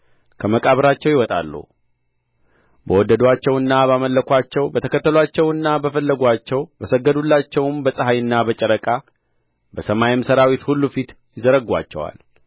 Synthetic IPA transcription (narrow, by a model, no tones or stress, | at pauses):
kʰəməkʼaβɾat͡ʃːɛwjɪwɔt̪ʼa̰lːṵ | bəwɔd̪ːəd̪oat͡ʃːɛwɨnːabaməlːəkʰʷat͡ʃːɛwbət̪ʰəkʰət̪ːəloat͡ʃːɛwɨnːabəfəlːəɡwat͡ʃːɛwbəsəɡːəd̪ulːat͡ʃːɛwmbəsʼəɦajɨnːabət͡ʃʼəɾəkʼa | bəsəmajɪmsəɾawit̪hulːufit̪jɪzəɾəɡwa̰t͡ʃːɛ̰wa̰l